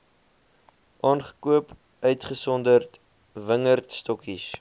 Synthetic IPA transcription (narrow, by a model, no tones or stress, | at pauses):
ʔɑːnχə̥kuəp | œɥtχəsɔndərt | vəŋərtstɔkis